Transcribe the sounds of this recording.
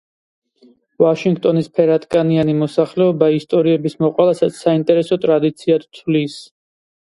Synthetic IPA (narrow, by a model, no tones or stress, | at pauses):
vaʃiŋɡt̪ʼɔnispʰɛɾat̪ʼkʼanianimɔsaχlɛɔbaist̪ʼɔɾiɛbismɔqʼwɛlˠasassaint̪ʼɛɾɛsɔt̪ʼɾad̪it̪sʰiat̪ʰt̪ʰlis